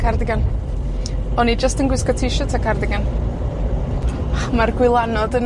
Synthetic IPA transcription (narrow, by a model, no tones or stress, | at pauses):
kʰardɪɡan | ɔnid͡ʒəstənɡwɪskɔtʰɪʃɔtʰakʰardɪɡan | marɡwɪlˠanɔdən